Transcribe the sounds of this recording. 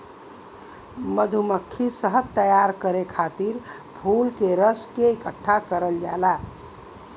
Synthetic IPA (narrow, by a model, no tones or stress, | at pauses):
məd̪ʱuməkʰːisəɦət̪ːəjaɾkəɾekʰat̪iɾ | pʰulkeɾəskeikəʈʰːakəɾəld͡ʒala